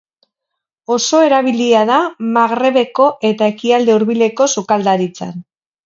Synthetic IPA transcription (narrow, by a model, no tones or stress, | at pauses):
o̞so̞e̞ɾaβ̞iliaðamaɣɾe̞βe̞ko̞ʔe̞t̪ae̞kiald̪e̞uɾβile̞ko̞sukald̪aɾit͡sa̰n